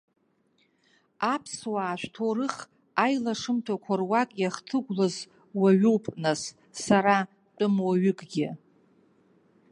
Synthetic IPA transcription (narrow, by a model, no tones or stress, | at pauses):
apʰswaːʃʷᶣtʰoɾɨχ | ajlaʂɨmtʰakʷʰarwakʼjaχtʰɨɡʷlaz | waɥuwpʼnasː | aɾa | t͡pʼʊmwaɥʏkʼɡʲɪ